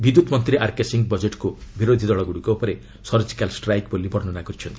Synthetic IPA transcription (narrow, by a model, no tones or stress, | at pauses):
bid̪ut̪mɔnt̪ɾiʔaɾkesiŋɡ̚bɔd͡ʒeʈkubiɾod̪ʱid̪ɔɭɔɡuɽukɔopɔɾe | sɔɾd͡ʒi̥kalsʈɾajkbolibɔɾnɔnakɔɾit͡ʃʰɔnt̪i